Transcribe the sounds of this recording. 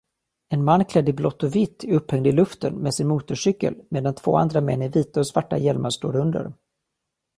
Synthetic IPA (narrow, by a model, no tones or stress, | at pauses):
ɛnmanːkʰlɛd̪ːəblɔt̪ːɔvɪt̪ʰːɵphɛŋd̪ɪlɵft̪ənmɛsɪnmuːt̪ʊʂʏkːə̰lmeːd̪ant̪ʰv̥o̰ːa̰nd̪ɾamɛ̰nːɪɾviːt̪aɔsvaʈːa̰jɛlmaʂt̪o̰ːɾɵnd̪ə̰ɾ